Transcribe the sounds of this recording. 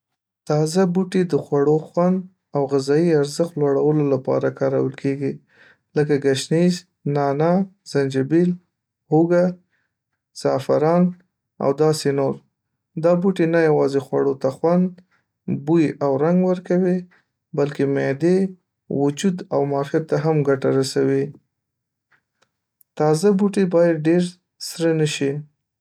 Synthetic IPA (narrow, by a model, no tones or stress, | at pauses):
t̪ɑzabuʈed̪əxwaɽoxwand̪ | awɣɪzɑiaɾzəxt̪lwaɽawəlolapɑ̰ɾakɑɾa̰wəlkeɡi | ləkaɡaʃniz | nɑnaz̥and͡ʒabil | huɡa | z̥ɑfaɾɑn | a̰wd̪ɑsenoɾ | d̪ɑbuʈenajawɑzexwaɽot̪axwand̪ | bujʔawɾaŋɡwəɾkawi | balkemed̪e | wʊd͡ʒud̪a̰wmɑfijat̪ːaɦamɡaʈaɾasawi | t̪ɑzabuʈebɑjad̪̚ɖeɾ | sɾənəʃi